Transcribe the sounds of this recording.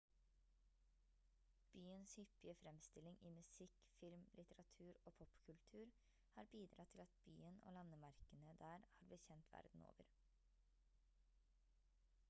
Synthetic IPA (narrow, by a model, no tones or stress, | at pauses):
b̥yːənshʏpːɪəfɾɛmst̪ɪlɪŋiːmʉsɪk | fɪlmlʔɪt̪əɾɑt̪ʰʉːɾoːpʰɔpːkʰʉlt̪ʰʉːɾ | hɑːɾbiːd̪ɾɑt̪ʰɪlɑt̪̚by̰ːəno̰ːlɑnːəmɑɾkənəd̪æːɾhɑːɾbləçɛnt̪ʰʋæ̰ɾd̪n̩o̰ːʋəɾ